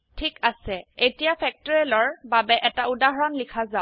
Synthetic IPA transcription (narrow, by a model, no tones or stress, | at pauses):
tʰikasɛetijapʰɛk̚tɔɹɛlɔɹbabɛʔɛtaudaɦɔɹɔnlikʰazaʊ